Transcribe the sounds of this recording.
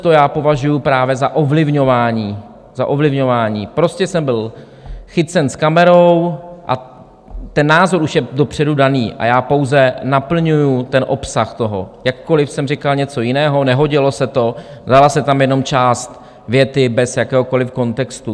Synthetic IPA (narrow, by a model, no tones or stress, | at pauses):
t̪ojaːpo̞vaʒujupɾaːvjɛzaʔovlɪvɲo̞vaːɲiː | zaʔo̞vlɪvɲo̞vaːɲiːpɾo̞scɛsɛmbɪl | xɪt͡sɛnskamɛɾo̞wʔa̰ | t̪ɛnːaːzo̞ɾuʃjɛdopr̝̥ɛdudaniːʔa̰jaːpo̞wzɛnapl̩ɲujut̪ɛnʔo̞psaxt̪o̞ɦo̞̰jakːo̞lɪfsɛmrɪkalɲɛt͡so̞jɪnɛːɦo̞nɛɦo̞ɟɪlo̞sɛt̪o̞vzalasɛt̪amjɛno̞mt͡ʃaːst̪ | vjɛt̪ɪbɛsjakɛːɦoko̞lɪfko̞nt̪ɛkst̪u